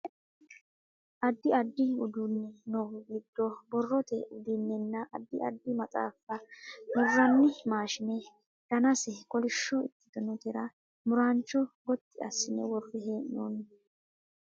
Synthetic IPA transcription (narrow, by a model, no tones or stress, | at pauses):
ʔɐd̪ːɪɐd̪ːɪʊd̪ʊnːɛnɔɡɪd̪ːɔbɔrːɔt̪ɛ̰ʔʊd̪ɪnːɛnːɐʔɐd̪ːɪʔɐ̰d̪ːɪmɐt͡sʼa̰ːfɐwɔrːɐnːɪmaːʃɪnɛ | d̪̥ɐnɐsɛkʼɔlɪʃːɔɪt̪ːɪ̥d̪ɔnɔt̪ɛɾɐ | mʊɾaːnt͡ʃːɔɡɔt̪ːɪɐ̰sːɪnɛwɔrːɪɦɛnoːn